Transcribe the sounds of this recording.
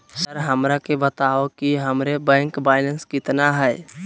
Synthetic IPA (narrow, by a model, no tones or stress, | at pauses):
səɾɦəmɾakebət̪aokiɦəmɾebɛ̃ːŋkbaɪlənskɪt̪naɦɛj